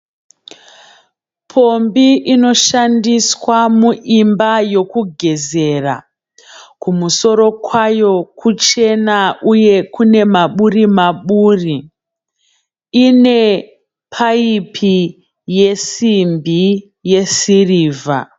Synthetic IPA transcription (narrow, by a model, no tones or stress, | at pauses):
pʰo̞mbiʔino̞ʃandiswamuʔimbajo̞kuɡʱe̞ze̞ra̰ | kumuso̞ɾo̞kwajo̞kʰut͡ʃe̞nauje̞kune̞maɓurimaɓuːri | ine̞ | pʰaipʰi | je̞simbi | je̞siriːva̰